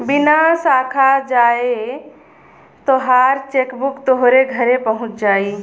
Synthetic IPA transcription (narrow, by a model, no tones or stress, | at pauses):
binasakʰad͡ʒae | t̪oɦaɾt͡ʃekbukt̪oɦɾeɡʱəɾepəɦʊ̃t͡ʃd͡ʒaːi